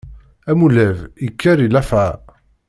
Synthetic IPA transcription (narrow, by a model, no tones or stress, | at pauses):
æmulævikʰːæɾilæfæ